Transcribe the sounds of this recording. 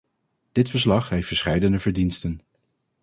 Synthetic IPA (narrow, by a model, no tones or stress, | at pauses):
d̥ɪtfəɹslɑχɦejftfəɹsχɛjdənəvəɹdinstən